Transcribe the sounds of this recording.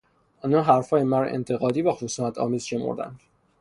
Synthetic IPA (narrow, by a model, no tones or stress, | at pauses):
ʔɒːnɒːnɦæɾfɒːjemæɾʔḛnt̪ʰe̞ɣɒːd̪iːvæxosuːnæt̪ʰɒ̰ːmiːzʃe̞mo̰ɾd̪æ̰nd̪̥